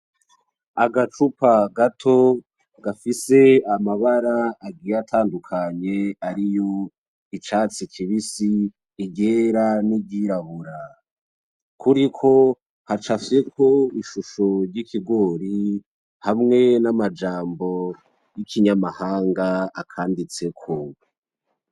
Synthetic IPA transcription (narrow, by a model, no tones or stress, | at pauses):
aɡat͡ʃupaɡatʰo̞ | ɡ̥afise̞amaβaɾaːɡiːɾatʰaːndukʰaɲe̞aɾijo̞ | it͡ʃaːt͡sikʰiβisiː | ɟeːɾanibɟiɾaβuɾa | kʰuɾikʰo̞ | hat͡ʃafsekʰo̞iʃuʃo̞ɾɟikʰiɡo̞ɾi | hamŋe̞namad͡ʒaːmbo̞ | jikiɲamahaːŋɡaːkʰaːndit͡se̞kʰo